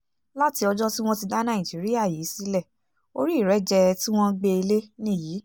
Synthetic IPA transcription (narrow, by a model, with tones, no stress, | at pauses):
la˦ti˧ɔ˧d͡ʒɔ˦ti˦w̃ɔ̃˦ti˧da˦nã˦˨ĩ˨d͡ʒi˨˦ɾi˦ja˦˨jiː˨˦si˨˦lɛ˦˨ | o̰˧ɾi˦˨ɾɛ˨˦d͡ʒɛ˧tĩ˦w̃ɔ̃˦ɡ͡be˧i˧le˦nĩ˦˨ji˨˦